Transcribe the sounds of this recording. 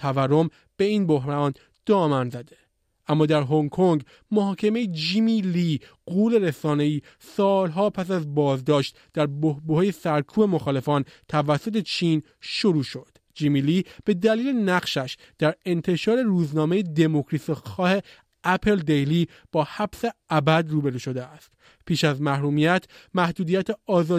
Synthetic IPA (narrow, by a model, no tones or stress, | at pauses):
t̪ʰæværːom | b̥e̞iːnboɦɾɒːn | d̪̥ɒːmænzæd̪e̞ | ʔæmːɒːd̪æɾɦoŋkʰoŋɡ | moɦɒːcʰemejed͡ʒimiliɡuːle̞ɾesɒːne̞iː | sɒːlɦɒːpʰæs̬æzbɒːzd̪ɒːʃt̪ | d̪̥æɾbohbohɒːjesæɾkʰuːbe̞mo̞xɒːle̞fɒːnt̪ʰævæsːo̞t̪ʰe̞t͡ʃʰiːn | ʃoɾuːʃo̞d̪̥ | d͡ʒimilib̥e̞d̪æliːlenæɢʃæʃ | d̪̥æɾe̞nt̪ʰe̞ʃɒːɾe̞ruːznɒːmejed̪e̞mokʰɾisixɒːhe̞ | æpʰe̞ld̪ejli | b̥ɒːhæb̥se̞æbæd̪ruːbe̞ɾuːʃo̞d̪eæst̪ | pʰiːʃæzmæhɾuːmijæt̪ʰmæhd̪uːd̪iːjæt̪ʰeɒːzɒː